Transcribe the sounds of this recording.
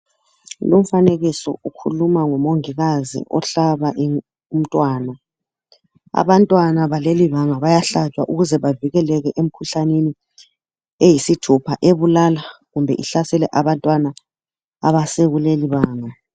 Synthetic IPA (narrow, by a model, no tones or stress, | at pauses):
lom̩faneɣisɔ̰ukʰṵlumaŋɔmoŋiɣazḭʔɔ̰ɬaβaʔi | um̩tʼwaːna | a̰βantʼwanaβaleliβaŋaβajaɬat͡ʃʼwa̰ʔuɣuzɛβaviɣɛlɛɣɛʔem̩kʰuɬaneni | ejisitʰupʰaʔeβulalaɣumbʱɛ̰ʔiɬasɛlɛʔaβantʼwana | aβasɛɣuleliβaːŋa